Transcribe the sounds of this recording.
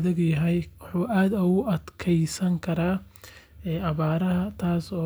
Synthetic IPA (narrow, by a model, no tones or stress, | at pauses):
ðɐɡjɐɦɛjwħuːʔaːd̪ɐɣʊʔɐd̪kʰɛjsɐŋkʰɐɾaː | ɛːʔɐβaːɾɐɦɐt̪ʰaːsɔː